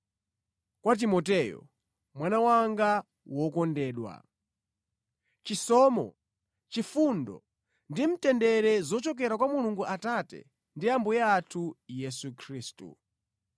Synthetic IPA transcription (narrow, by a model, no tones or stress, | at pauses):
kwat̬imɔtɛjɔ̰ | mwanawaŋɡa | wɔkɔndɛːɗwa̰ | t͡ʃisɔːmɔ̰ | t͡ʃifundɔ̰ | ndim̩tɛndɛɾɛzɔt͡ʃɔk̬ɛɾakwamuluŋɡuʔatatɛ̰ | ndiambujaːtʰujɛsukʰɾiːstṵ